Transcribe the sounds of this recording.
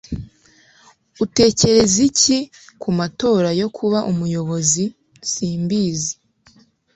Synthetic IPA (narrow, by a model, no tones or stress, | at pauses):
ute̞ːce̞ɾe̞zicikumato̞ːɾajo̞kʰuβaʔumujo̞βo̞zi | siːmbiːzi̥